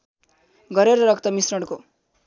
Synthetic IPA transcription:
ɡʌɾeɾʌɾʌk̚t̪ʌmisrʌɽko

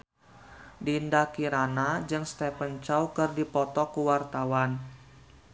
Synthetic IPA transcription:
dindakiɾanad͡ʒɨŋst̪ɛpənt͡ʃɔwkɨrdipɔt̪ɔkuwart̪awan

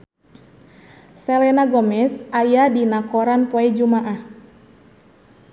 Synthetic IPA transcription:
sɛlɛnaɡɔmɛsajadinakɔɾanpɔɛd͡ʒumaʔah

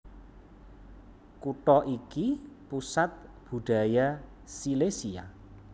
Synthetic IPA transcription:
kuʈɔʔikipusat̪̚b̥ṳɖ̪̥a̤ja | silesia̰

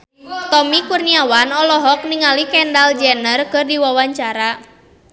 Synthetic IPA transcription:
t̪ɔmikurniawanɔlɔɦɔk̚niŋalikɛndald͡ʒɛnərkɨrdiwawaɲt͡ʃaɾa

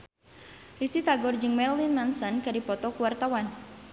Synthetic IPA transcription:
risit̪aɡɔrd͡ʒɨŋmɛɾlinmansənkadipɔt̪ɔkuwart̪awan

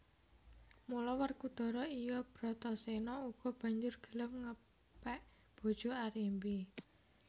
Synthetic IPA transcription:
mulɔwərkud̪̥ɔ̤ɾɔijɔb̥ɾɔ̤t̪ɔsenɔuɡ̥ɔ̤b̥ä̤ɲd͡ʒʊrɡ̥ə̤ləmŋə | pɛʔ | b̥o̤d̥ʒ̥o̤aɾimbi

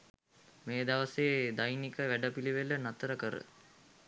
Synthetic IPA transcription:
meːd̪aʋəseːd̪ajnikəʋæɖəpiliʋelənat̪əɾəkəɾə̰

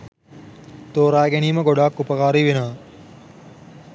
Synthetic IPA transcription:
t̪oːɾaːɡeniːmɐɡoɽaːkːupɐkaːɾiːʋinaː

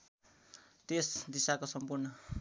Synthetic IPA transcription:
t̪esd̪isakosʌmpurnʌ

